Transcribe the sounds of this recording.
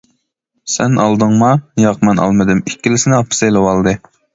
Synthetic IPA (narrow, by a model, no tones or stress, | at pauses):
sɛ̰nʔɑ̰lˠd̪ɨŋmɑnijɑqmɛnʔɑ̰lˠmɨd̪ɨmikʲːilɪsɪnɪɑpʰːɨ̥sejlˠɨwɑlˠd̪ɨ